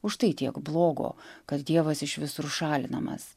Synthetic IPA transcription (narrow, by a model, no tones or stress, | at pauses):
ʊʃt̪ɐɪt̪ʲiɛkblˠoːɡo̰ːkɐt̪d̪ʲiɛʋɐsɪʃʋʲɪsʊɾʃɑːlʲɪnɐmɐ̰s